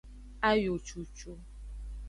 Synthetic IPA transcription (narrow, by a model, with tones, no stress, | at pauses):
a˦jo˨t͡ʃu˨t͡ʃo˦